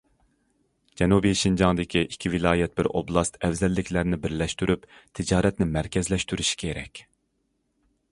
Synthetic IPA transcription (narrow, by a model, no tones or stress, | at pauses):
d͡ʒɛnubijʃind͡ʒɑŋd̪ɪkʲʰiʔikʲʰivɪlˠɑːjɛt̪̚bɪɾo̰blˠɑst̪ɛvzɛlːɪkʲʰlæɾnɪbɪɾlɛʃt̪yɾypt̪ʰɪd͡ʒɑːɾɛt̪nɪmæɾkʲʰɛzlɛʃt̪yɾyʃi̥kʲʰeɾɛ̰kʲ